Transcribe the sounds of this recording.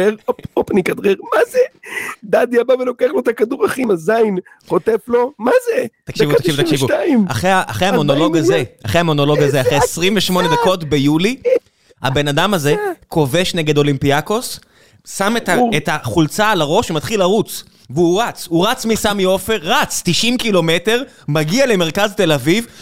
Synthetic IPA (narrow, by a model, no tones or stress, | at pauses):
eʁopnikad̪ʁeʁmazed̪ad̪jabavelo̞keaχlot̪akad̪uʁaχimazain | χo̞t̪eflo̞mazet̪akʃivut̪akivut̪kʃivuaimaχejaʔːχejamo̞nolo̞ɡazeaχʁeamo̞no̞lo̞ɡazeaχeesʁimveʃmo̞ned̪ako̞t̪bejuli | ha̰be̞nadamazeko̞ve̞ʃne̞ɡe̞do̞limpiako̞s | sametaetaχult͡salaʁo̞ʃemat̪χilaʁut͡s | veuʁat͡suʁat͡smisamjo̞feʁat͡st̪iʃimkilo̞me̞te̞ʁ | maɡiale̞me̞ʁ̞kazt̪e̞laviv